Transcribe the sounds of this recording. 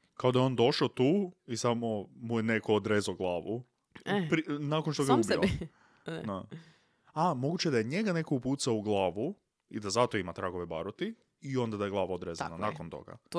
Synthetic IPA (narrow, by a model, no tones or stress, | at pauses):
kaod̪ajeo̞nd̪o̞ʃaot̪uːisamomujene̞ko̞od̪ɾeːzaoɡlˠaːʋu | pɾinakonʃt̪oɡaub̰ | na | amo̞ɡut͡ɕeed̪ajeɲeɡane̞ko̞upuːt̪saouɡlˠaːʋu | id̪azat̪oimat̪ɾaɡo̞ʋe̞ba̰ɾot̪i | io̞nd̪ad̪ajeɡlˠaːʋaod̪ɾezananakont̪o̞̰ɡa̰